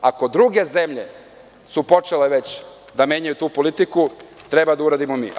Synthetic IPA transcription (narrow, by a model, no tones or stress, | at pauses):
ako̞d̪ɾuɡe̞ze̞mʎe̞ | supo̞t͡ʃeleʋe̞t͡ɕ | d̪amje̞ːɲajut̪uːpo̞lit̪ikut̪ɾe̞bad̪auɾaːd̪imomḭː